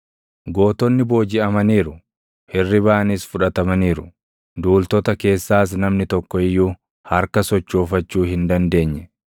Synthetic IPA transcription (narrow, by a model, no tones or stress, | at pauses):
ɡoːt̪ɔnːɪbo̞ːd͡ʒɪɐmɐniːɾʊ | hɪrːɪbaːɐnɪsfʊᶑɐt̪ɐmɐniːɾʊ | d̪uːlt̪ɔt̪ɐke̞ːsːaːs̬nɐmnɪt̪ɔkːɔɪjːuː | hɐɾkɐsɔt͡ʃːo̞ːfɐt͡ʃːuːhɪnd̪ɐnd̪e̞ːɲːɛ